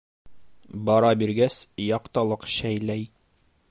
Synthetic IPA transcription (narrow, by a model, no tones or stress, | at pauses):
bɒɾɑbiɾɡæsjɒqt̪ɑlˠɤqɕæjlæj